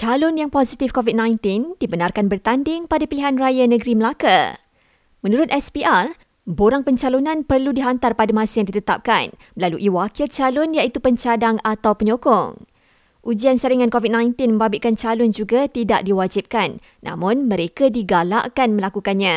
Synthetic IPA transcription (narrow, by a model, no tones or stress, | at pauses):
t͡ʃalʊnjaŋpozit̪ifkovid̚nãjnt̪ɪnd̥ibənarkanbərt̪andɪŋpadapiliɦanrajanə̃ɡɾiməlaka | mə̃nuɾʊt̪̚ɛspiʔar | boɾaŋpəɲt͡ʃalonãnpərludiɦant̪arpadamãsajaŋdit̪ət̪ap̚ka̰n | laluʔiwakɪlt͡ʃalʊnjait̪upəɲt͡ʃadaŋat̪awpəɲokɔ̰ŋ | ʔud͡ʒiansəɾiŋãnkovid̚nãjnt̪ɪnmə̃mbabɪʔkant͡ʃalʊnd͡ʒuɡat̪idaʔdiwad͡ʒip̚kanː | ã̰mʊ̃nmə̃ɾekadiɡala̰ʔkanmə̃lakukanɲã